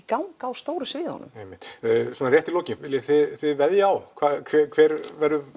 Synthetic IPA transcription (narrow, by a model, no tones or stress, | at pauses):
kawŋkaːwst̪oːwɾʏsvɪːðɔ̰nːʏ̰mejmɪht̪ːsɔːnarjɛht̪iloːwcɪnɪljaθɪðθɪðvɛðjaawkʰvaːkʰvɛkʰv̥ɛːɾvɛɾʏ